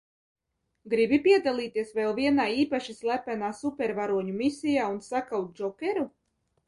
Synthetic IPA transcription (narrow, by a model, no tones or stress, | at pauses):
ɡɾibipʲiɛd̪alˠiːt̪iɛsvɛlˠviɛnaːiːpaʃislʲˠæpænaːsupʲɛɾvaɾuɔɲumisʲijaːunsakawt̪̚d͡ʒɔkʲɛɾu